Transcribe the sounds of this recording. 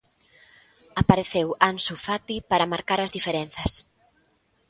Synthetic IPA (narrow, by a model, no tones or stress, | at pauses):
apaɾeθewansufat̪ipaɾɐmaɾkaɾɐzðifeɾen̟θɐs